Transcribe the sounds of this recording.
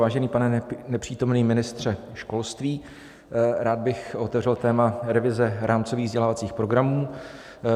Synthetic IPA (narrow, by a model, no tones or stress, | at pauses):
vaːʒɛniːpanɛnɛpr̥iːt̪o̞mniːmɪnɪst̪r̝̥ɛʃko̞lst̪viː | ɾaːd̪̚bɪxʔo̞t̪ɛvrɛlt̪ɛːmaɾɛvɪzɛɾʔaːmt͡soviːɣvzɟɛlaːvat͡siːxpɾo̞ɡɾamuː